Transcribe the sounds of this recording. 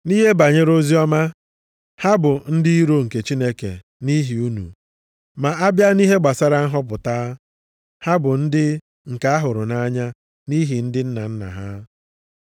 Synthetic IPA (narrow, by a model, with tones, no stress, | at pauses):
ni˦ɦe˦ba˨ɲe˦ɾo˦zi˦ɔ˦ma˦ | ha˦bʊ˨n̩˦di˦i˦ɾo˦ŋ̩˨ke˨t͡ʃi˦ne˦kḛ˨ | ni˦ɦi˨u˦nṵ˨ | ma˨ʔa˦bja˦ni˦ɦe˦ɡ͡ba˨sa˦ɾa˦n̩˦ɦɔ˦p̬ʊ˨ta˦ | ha˦bʊ˨n̩˦dɪ˦ | ŋ̩˨ka˨a˦ɦʊ˨ɾʊ˨na˦ɲa˦ | ni˦ɦi˨n̩˦dɪ˦n̩˦na̰˨n̩˦na̰˨ɦa˦